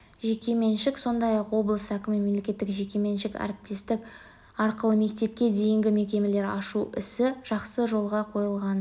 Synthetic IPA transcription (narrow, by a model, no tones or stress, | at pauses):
ʒe̞kʲe̞me̞nʃɪkso̞nd̪ɑjɑqwo̞blˠəsəækʲɪmɪme̞mle̞kʲe̞t̪ːɪkʒe̞kʲe̞me̞nʃɪkæ̰ɾɪp̚t̪e̞st̪ɪk | ɑɾqəlˠəme̞k̚t̪e̞p̚kʲe̞d̪e̞jɪŋɡʲɪme̞kʲe̞me̞le̞ɾɑʃuɪ̰sɪʒ̥ɑqsəʒo̞lˠʁɑqʰo̞jəlˠʁɑn